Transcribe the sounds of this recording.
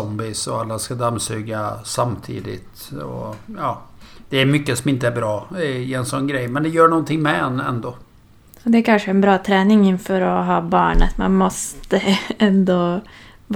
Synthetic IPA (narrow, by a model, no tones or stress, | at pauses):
ɔmbɪsɔalːaskad̪amːsʉːɡasamt̪ʰḭːd̪ɪ̰t̪ | ɔ̰jɑːd̪̥ɛæɾmʏkːəsɔmɪnt̪əæɾbɾɑːɪɛnsɔnːɡɾɛjːmɛnd̪ɛjœːɳɔnːt̪ʰɪŋmɛɛnːɛ̰nd̪o | ɔd̪ɛæɾkʰanʂəɛnbɾɑːt̪ʰɾɛːnɪŋɪnːfœːɾɔɦɑːbɑːɳə̰t̪ma̰nmɔst̪əɛnd̪o